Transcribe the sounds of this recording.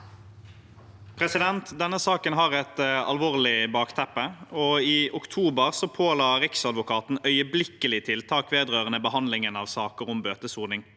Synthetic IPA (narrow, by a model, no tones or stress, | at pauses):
pʰʁɛsɪd̪ɛnt̪d̪ɛnːəsɑːkənɦɑːʁɛt̪ɑ̰lʋoːʁlɪbɑːkt̪ʰɛpːəɔiːʔʊkt̪ʰuːbəʁsɔpʰoːlɑːɾɪksɑd̪ʋʊkʰɑːt̪n̩œʏəblɪkːəlɪt̪ʰɪlt̪ʰɑːkʋeːd̪ʁøːʁənəbəhɑnd̪lɪŋənɑːʋsɑːkəʁʊmbøːt̪əsuːʁnɪŋ